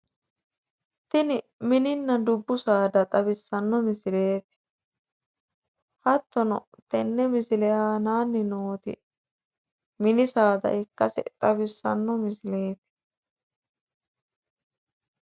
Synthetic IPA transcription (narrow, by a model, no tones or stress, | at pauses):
t̪ɪnɪ | mɪnɪnːɐd̪ʊbːʊsaːd̪ɐt̪ʼɐbɪsːɐnːɔmɪsɪle̞ːt̪ɪ̥ | hɐt̪ːɔnɔ̰ | t̪ɛnːɛmɪsɪlɛhaːnaːnːɪnoːt̪ɪ̰ | mɪnɪsaːd̪ɐ̰ʔɪkːɐsɛ̰t̪ʼɐbɪsːɐ̰nːɔmɪsɪleːt̪ɪ̥